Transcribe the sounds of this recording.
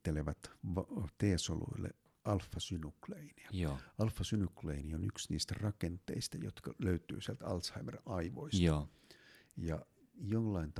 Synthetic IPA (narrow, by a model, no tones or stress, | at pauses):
eleʋæt̪ʋt̪eːsolṵilːḛ | ɑlfːɑsynukleiniæɑlfːɑsynukleinionyksnḭːst̪ærɑkent̪ˑḛist̪æjo̰t̪kɑløyt̪ˑy̰ːsiælt̪ɑ̰lt̪shɑimerɑiʋo̰is | jɑ | jolːɑint̪